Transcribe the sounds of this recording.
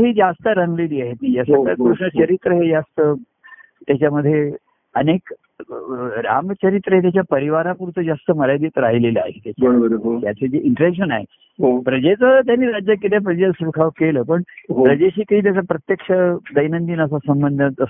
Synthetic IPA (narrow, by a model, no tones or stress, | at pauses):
ɦiːd͡zast̪əɾəŋɡleliːaɦet̪̚niːd͡zasaakɾuʂɳət͡ɕəɾit̪ɾəɦed͡zast̪ə | t̪jat͡ɕaməd̪ʱːje | ənek | ɾa̰mt͡ɕəɾit̪ɾəɦet̪jat͡ɕjapəɾiʋaɾapuɾut͡səd͡zast̪əməɾjad̪it̪ɾaɦileləa̰ɦet̪jat͡ɕbəɾobəɾɦot̪jat͡sed͡zeʔiɳʈəɾekʂənaɦḛ | ɦopɾəd͡ʑet͡sət̪janːiːɾad͡ʑjakːit̪ʰjap̬ɾəd͡ʑet͡ssʋukʰaʋkeləːpəɳɦopɾəd͡ʑeɕiːkəɦiːt̪̬jat͡sapɾət̪jəkʂəd̪əjnənd̪iːnəs̬asəmbənd̪ʱət̪ə